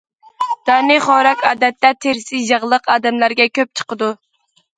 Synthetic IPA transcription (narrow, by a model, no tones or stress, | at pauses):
d̪̥ɑnɨχɑːɾɛkʲɑːd̪ɛt̪ːɛt̪ʰːeɾɪsɪʒɑʁlˠəqɑːd̪ɛmlæɾɡʲɛkʲʰøp̚t͡ʃʰə̥qəd̪u